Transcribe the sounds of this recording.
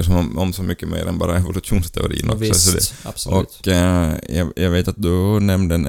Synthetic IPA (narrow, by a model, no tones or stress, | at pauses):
ʂɔmɔmsɔmʏkːəmḛːɾɛ̰nbɑ̰ːɾaɛvʊlʉʂuːnst̪ʰɛʊ̰ɾḭːə̰nɔ̰ksɔsɔd̪ɛ̰sɔkː | jɑjɑɡveːt̪at̪̚d̪ʊnɛmd̪əɛn